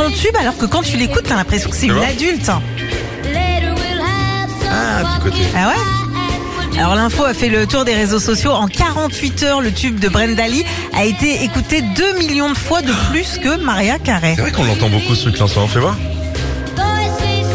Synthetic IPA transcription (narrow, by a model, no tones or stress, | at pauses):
ɔ̃t̪ybalɔʁkəkɑ̃t̪ylekut̪̚bɛ̃lɛ̃pχesjɔ̃kə̥sɛynad̪ylt̪ | lɛəwˠ | apikot̪eawɛ | a̰lɔʁlɛ̃foafɛlət̪uʁd̪eʁezosɔsjoɑ̃kaʁɑ̃t̪ɥit̪œʁlət̪yb̚d̪əbʁɛnd̪ali | a̰et̪eekut̪ed̪ømiljɔ̃d̪əfwad̪əplyskəmaʁjakaʁɛsɛvʁɛkɔ̃lɑ̃t̪ɑ̃bokusiklɛ̃sɔ̃fɛvwa